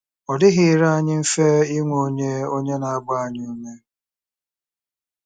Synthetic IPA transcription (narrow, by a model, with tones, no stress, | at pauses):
ɔ˨dɪ˦ɣɪ˨ɾa˦a˦˨ɲɪ˦m̩˦fe˦i˦ŋʷo˦ɲe˦o˦ɲe˦na˨a˦ɡ͡ba˦˨a˨ɲ˦u˦me˦